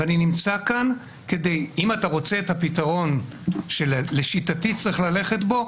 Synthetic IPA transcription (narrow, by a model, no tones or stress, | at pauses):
vaninimt͡sakan | ke̞de̞jimataʁo̞t͡se̞ːthapitaʁo̞nʃelleʃitatit͡sʁiχlale̞χe̞tbo̞